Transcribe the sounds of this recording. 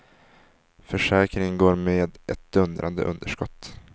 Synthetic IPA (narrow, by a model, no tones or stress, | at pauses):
fœʂɛːkɾɪŋɡoːɾmeːd̪ʔɛt̪̚d̪ɵnd̪ɾʔa̰nd̪ə̰ʔɵ̰nd̪əʂkɔt̪ː